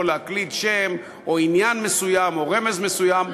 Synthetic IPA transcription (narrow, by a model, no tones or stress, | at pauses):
oleaklit̪ʃem | o̞injanme̞sujamo̞ʁe̞me̞zme̞sujam